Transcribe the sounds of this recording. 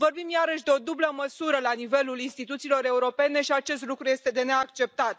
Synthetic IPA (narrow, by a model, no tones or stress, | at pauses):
vo̞rbimjaɾəʃʲd̪e̞o̞d̪ubləməsuɾəlanive̞lulinst̪it̪ut̪silo̞ɾe̞uɾo̞pe̞ne̞ʃiat͡ʃe̞st̪lukɾuje̞st̪e̞d̪e̞neakt͡ʃe̞p̚t̪at̪